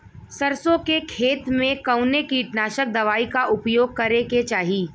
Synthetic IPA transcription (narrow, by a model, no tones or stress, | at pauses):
sɐɾsõkekʰeːt̪mẽkɐʊnekiʈnaːʃək̚d̪ɐʋaːikaʔʊpjoːɡ̚kɐɾeket͡ʃaːɦiː